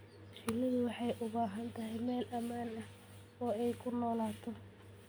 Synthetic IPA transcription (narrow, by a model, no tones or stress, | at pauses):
t͡ʃɪlɪðʊwɑħɑjʔʊβaːɦɐnt̪ʰɐɦɛjmɛːlʔɐmaːnɐh | ɔːɛjkʰʊnɔːlaːt̪ʰɔ